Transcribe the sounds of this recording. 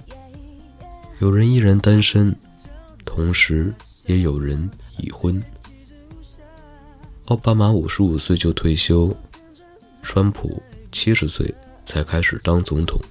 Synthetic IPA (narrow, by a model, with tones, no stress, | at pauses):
jo˨˩ʊɻə˧˥ni˥˩ɻə˧˥nt̪a˥nʂə˥n | t̪ʰʊ˧˥ŋʂɻ̩˧˥ | jɛ˧˥jo˨˩ʊɻə˧˥nḭ˨˩xwə˥n | ɑ˥˩ʊpa˥ma˧˥u˨˩ʂɻ̩˧˥u˨˩swe˥˧ɪt͡ɕjo˥˧ʊt̪ʰwe˥˩ɪɕjo˥ʊ | ʈ͡ʂʰwa˥npʰṵ˨˩t͡ɕʰi˥ʂɻ̩˧˥swḛ˥˩ɪ | t͡sʰa˧˥ɪkʰa˥ɪʂɻ̩˨˩t̪ɑ˥ŋt͡sʊ˧˥ŋt̪ʰʊ̰˨˩˦ŋ